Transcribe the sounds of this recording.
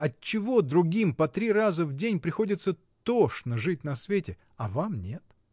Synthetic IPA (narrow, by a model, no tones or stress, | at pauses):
ɐt͡ɕːɪvo̞d̪ɾʊɡʲimpɐt̪ɾʲirazəvdʲenʲpɾʲɪxo̞dʲɪt̪sə | t̪oʂnəʐɨtʲnɐsvʲetʲɪ | ɐvamnʲe̞t̪